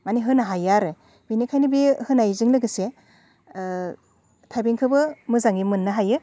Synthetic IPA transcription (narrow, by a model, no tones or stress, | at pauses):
maniɦɯnaɦajaɾɯ | b̥inikʰajnɯbihɯnajzɯŋlɯɡɯse | tʰajbeŋkʰɯbɯmɯzaŋimɯnːɯɦajɯ